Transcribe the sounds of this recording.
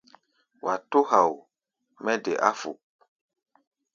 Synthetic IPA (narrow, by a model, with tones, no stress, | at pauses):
wa˨to˦ha˨w | mɛ˦dɛ˨ʔa˦fṵ˨